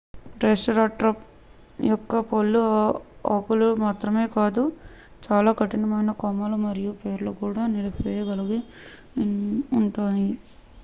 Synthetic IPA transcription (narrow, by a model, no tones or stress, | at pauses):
ʈɾesɐɾaːʈɾɐp | jɔkːɐpolːuɐkulumaːt̪ɾɐme̞ːkaːd̪u | t͡ʃaːlaːkɐʈinɐmɐjnɐkɔmːɐlumɐɾijupe̞ːɾloːkuːɽaːnilɐpejɐɡɐliɡe | uɳʈoːni